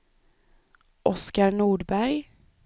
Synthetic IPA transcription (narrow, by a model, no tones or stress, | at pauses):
ʔɔskaɾnuːɖbæɾj